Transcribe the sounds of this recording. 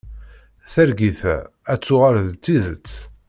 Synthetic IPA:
θæɾɡiθæ̰ | æt͡sːʊʁaɾðt͡sːiðət͡sː

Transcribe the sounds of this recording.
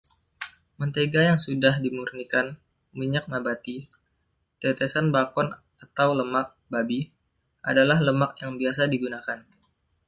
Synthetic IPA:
mənt̪eɡajaŋsudahdimurnikan | miɲak̚mabat̪i | t̪et̪esanbakɔn | at̪awləmak̚babi | ʔa̰dalahləmak̚jaŋbias̬adiɡunakan

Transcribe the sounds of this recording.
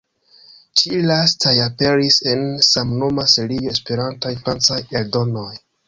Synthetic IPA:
t͡ʃilastʰajape̞ɾisensamno̞maseɾijoe̞spe̞ɾantajfɾant͡sajeɾdo̞no̞j

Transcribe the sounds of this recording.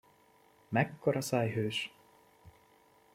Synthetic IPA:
mɛkːoɾɒsɑːjɦøːʃ

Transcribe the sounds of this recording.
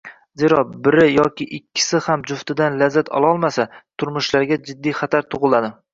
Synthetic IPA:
zeɾɒbɪɾɪjɒkʲɪʔɪkʲʰːɪ̥sɪhamd͡ʒʊft̪ɪd̪anlazːat̪ʰɒ̰lˠɒlˠmasat̪ʰʊɾmʊʃlaɾɡʲad͡ʒɪd̪ːijχat̪ʰaɾt̪ʰʊʁɨlˠad̪ɪ

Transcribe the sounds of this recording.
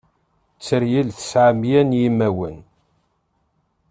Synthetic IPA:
t͡sːəɾjilθə̥sʕamjænjimːæwə̰n

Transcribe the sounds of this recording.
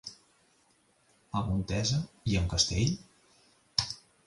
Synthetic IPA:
əmunt̪ɛzəiəŋkəst̪eʎ

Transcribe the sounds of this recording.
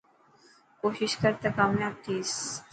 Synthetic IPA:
koːʃɪʃkəɾt̪akaːmjaːb̚t̪iːs

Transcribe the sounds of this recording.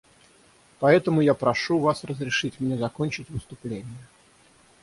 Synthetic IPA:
pɐɛt̪əmʊjapɾɐʂuvasrəzɾʲɪʂɨtʲmnʲezɐkonʲt͡ɕɪtʲvɨst̪ʊplʲenʲɪjə

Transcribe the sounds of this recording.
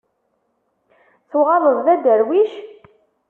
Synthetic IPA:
θuʁɑðˤəðˤðæd̪əɾwiʃ

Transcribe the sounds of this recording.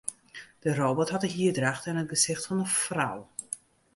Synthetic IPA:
d̥əroːbɔthɑtəɦiədraχtənət̚ɡəsɪxtfɔnəfra̰w

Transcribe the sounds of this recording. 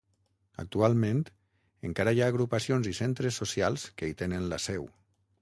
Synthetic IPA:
a̰k̚t̪ualˠmẽnt̪ | eŋkaɾajaːɣ̞ɾupasionzisent̪ɾesːosjalˠskeit̪enenla̰sɛw

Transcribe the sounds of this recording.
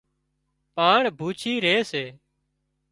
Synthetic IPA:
paːɳbʱuːt͡ʃʰiːɾeːseː

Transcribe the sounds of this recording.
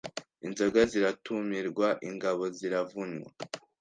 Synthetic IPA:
inzoɡaziɾatʰumiɾɡwaʔiŋɡaβo̞ziɾavuɲwa̰

